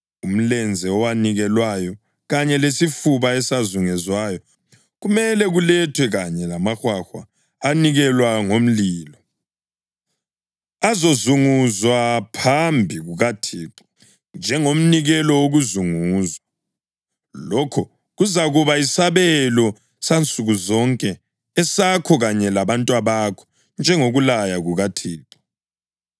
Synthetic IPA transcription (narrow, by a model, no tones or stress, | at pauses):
um̩lɛnd͡zʱɛɔwaniɣɛlwajɔ | ɣaɲɛlesifuβaɛsazuŋɛzwajɔ | ɣumɛlɛɣulɛtʰwɛɣaɲɛlamaxwaxwa̰ː | niɣɛlwaŋom̩liːlɔ | azozuŋuzwapʰambʱiɣuɣatʰiːǃa | nd͡ʒʱɛŋom̩niɣɛlɔwoɣuzuŋuːzwa | lɔkʰɔ | ɣuzaɣuβaisaβɛlɔ | sant͡sʼuɣuzɔŋkʼɛ | ɛsakʰɔɣaɲɛlaβantʼwaβakʰɔ̥ | nd͡ʒʱɛŋoɣulajaɣuɣatʰiːǃḁ